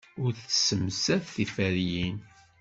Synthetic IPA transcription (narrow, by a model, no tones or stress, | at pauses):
ʊɾθsəmsæðθifæɾjin